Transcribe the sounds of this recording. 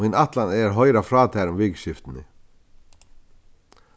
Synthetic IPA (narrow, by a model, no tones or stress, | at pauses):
ɪnɑt̪laneːɾɦœʏɾɑfɾɑːt̪ʰæɾʊmʋɪɡʃɪft̪n̩ə̰